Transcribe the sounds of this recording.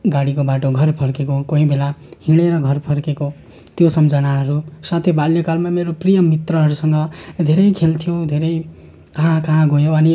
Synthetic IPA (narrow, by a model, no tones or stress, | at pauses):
ɡaɽikobaʈoɡʱʌrpʰʌrkekokoɦĩbʱelahiɽ̃eɾʌɡʱʌrpʰʌrkeko | t̪josʌmd͡zʌnaɦʌɾusãt̪ʰjebaljokalmameɾoprijʌmːit̪rʌɦʌɾusʌŋɡʌd̪ʱeɾʌjkʰelt̪ʰijõd̪ʱeɾʌj | kʌɦãkaɦãɡʱojõʌni